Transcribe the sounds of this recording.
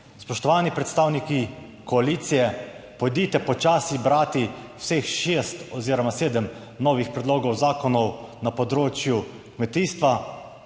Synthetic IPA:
spɔʃt̪ɔʋaːnipɾɛt̪st̪aːwniki | kɔaliːt̪sijɛ | pɔd̪iːt̪ɛpɔt͡ʃaːsibɾaːt̪iw̥sexʃeːst̪ɔziːɾɔmaseːd̪ɛm | nɔːʋixpɾɛd̪loːɡɔwzaːkɔnɔwnapɔd̪ɾoːt͡ʃju | kmɛt̪iːst̪ʋa

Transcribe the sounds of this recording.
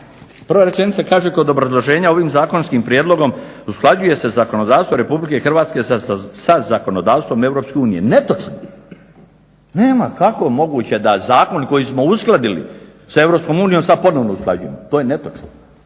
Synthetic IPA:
pr̩ʋaɾe̞t͡ʃe̞nit̪sakaːʒeko̞d̪o̞bɾazlˠo̞ʒe̞ːɲao̞ʋiːmzaːko̞nskimpɾjed̪lˠo̞ɡo̞m | usklˠad͡ʑuje̞se̞zako̞no̞d̪aːst̪ʋo̞ɾe̞publike̞xr̩ʋaːt̪ske̞sazako̞no̞d̪aːʋst̪ʋo̞me̞ʋɾo̞pske̞uːnije̞̰net̪ot͡ʃno | ne̞ːmakako̞mo̞ɡuːt͡ɕe̞d̪azaːko̞nko̞jismo̞usklˠad̪ilḭ | sae̞ʋɾopsko̞muːnijo̞msad̪̚po̞no̞ʋnousklˠa̰d͡ʑujemot̪ojenet̪ot͡ʃno

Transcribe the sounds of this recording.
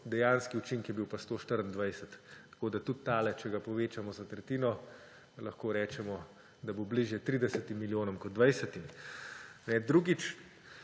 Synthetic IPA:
d̪ɛjaːnskiut͡ʃiŋkjɛbiwpast̪oːʃt̪əɾənd̪ʋajsɛt̪ːḁkoːd̪at̪ut̪ːaːlɛt͡ʃɛɡapɔʋeːt͡ʃamɔzat̪ɾɛt̪iːnɔ | lɐxkoːɾɛːt͡ʃɛmɔ | d̪abobliʒjɛt̪ɾid̪ɛsət̪imːiljoːnɔmkɔt̪d̪̚d̪ʋajsət̪im | nɛd̪ɾuɡit͡ʃ

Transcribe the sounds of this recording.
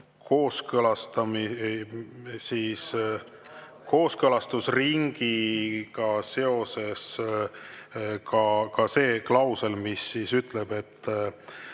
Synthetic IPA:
kʰo̞ːskɤlɑst̪ɑmi | siːs | ko̞ːskɤlɑst̪usriŋɡ̥ikɑse̞o̞se̞s | kɑkɑse̞ːklɑwse̞lmisːisyt̪ˑleb̥e̞t̪ː

